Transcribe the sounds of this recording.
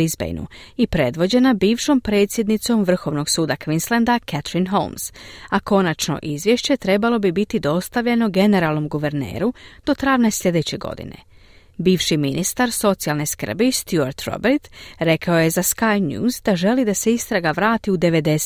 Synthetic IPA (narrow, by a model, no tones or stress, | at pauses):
izbḛjnṵipɾe̞d̪ʋo̞d͡ʑe̞nabiːʋʃo̞mpɾe̞ːt̪sje̞d̪nit̪so̞mʋr̩xo̞ʋno̞ɡsuːd̪akʋinslˠand̪akɛt̪ɾinɦo̰lmsako̞nat͡ʃno̞̰ʔizʋje̞ʃt͡ɕe̞t̪ɾe̞balˠo̞bibit̪id̪o̞st̪aʋʎe̞no̞ɡe̞ne̞ɾalˠno̞mɡuʋe̞ɾnḛːɾud̪̥o̞t̪ɾaʋneslʎʲe̞d̪e̞t͡ɕe̞ɡo̞̰d̪ḭne̞̰ | biːʋʃiminʔist̪aɾso̞t̪sialˠne̞skər̩bist̪jua̰ɾt̪ɾo̰beɾt̪ɾe̞kaoje̞zaskajnjṵːzd̪aʒe̞lid̪ase̞ist̪ɾaɡaʋɾaːt̪iud̪e̞ʋe̞d̪e